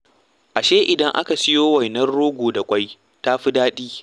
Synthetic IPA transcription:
ʔa˨ʃeː˦ʔɪ˨dɐ˦ŋʔa̰˦ka˨sɪ˦joː˦wa˨jnɐ˦rɽoː˦ɡʷoː˨da˨kʷʼa˦j | ta˦ɸi˦daː˦ɗiː˦

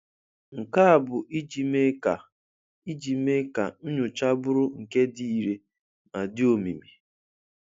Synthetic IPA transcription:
ŋ̩˨ka˦a˨bʊ˨ʔi˦d͡ʒi˨me˦ka˨ | i˦d͡ʒi˨me˦ka˨nʊ˦ɲʊ˨t͡ʃa˦bʊ˦ɾʊ˦ŋ̩˨ke˦di˦i˨ɾe˦ | ma˨dɪ˦o˨mi˨mi˨

